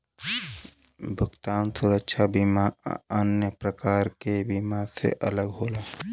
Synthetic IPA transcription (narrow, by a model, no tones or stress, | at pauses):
bʱʊkt̪aːnsuɾəkʃʰabimaənjəpɾəkaːɾkebimasḛʔələɡɦoːlaː